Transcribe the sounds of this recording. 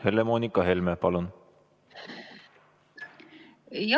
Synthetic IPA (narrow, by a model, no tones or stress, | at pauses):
helemoːnikːˑɑɦelmepɑlun | j